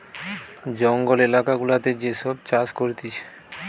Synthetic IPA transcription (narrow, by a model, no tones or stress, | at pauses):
d͡ʑɔŋɡolelakaɡulat̪ed͡ʑeʃɔb̚t͡ɕaskoɾt̪it͡ɕʰe̥